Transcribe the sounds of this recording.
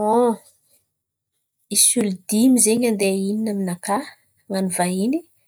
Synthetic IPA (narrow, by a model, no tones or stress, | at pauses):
o | isulid̪imizeɲand̪eininaminaka | manuvaini